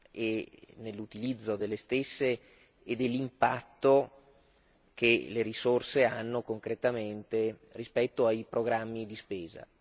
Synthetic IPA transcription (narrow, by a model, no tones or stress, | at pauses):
enelːut̪ilid̪zːod̪elːest̪esːeː | d̪elːimpat̪ːo | keleɾisorseanːokoŋkɾet̪ament̪erispɛt̪ːoajpɾoɡɾamːid̪ispeːza̰